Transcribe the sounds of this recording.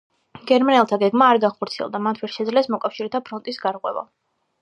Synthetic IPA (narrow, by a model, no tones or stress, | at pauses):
ɡ̥ɛɾmanɛlˠt̪ʰaɡɛɡmaːɾɡaχɔɾt̪sʰiɛ̰lˠd̪amat̪ʰvɛɾʃɛd̪zlɛsmɔkʼafʃiɾɛt̪ʰapʰɾɔnt̪ʼisɡaɾqʼwɛ̰va̰